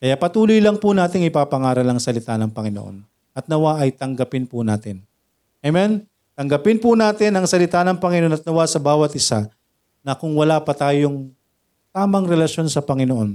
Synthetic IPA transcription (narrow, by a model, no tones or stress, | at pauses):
kɐjaʔpɐt̪uːlojlɐŋpʊnaːt̪ɪŋɪpapɐŋaːɾɐlɐŋsɐlɪt̪anɐŋpɐŋɪnoʔo̰n | ʔɐt̪̚nɐwaʔɐjt̪ɐŋɡɐpɪnpʊna̰ːt̪ɪn | ɐmɛn | t̪ɐŋɡɐpɪnpʊnaːt̪ɪnɐŋsɐlɪt̪aːnɐŋpɐŋɪnoʔonɐt̪̚nɐwasɐbaːwɐt̪ʔɪsa | nɐkʊŋwɐlaːpɐt̪aːjoŋ | t̪aːmɐŋɾɛlɐʃjo̞nsɐpɐŋɪnoʔo̞n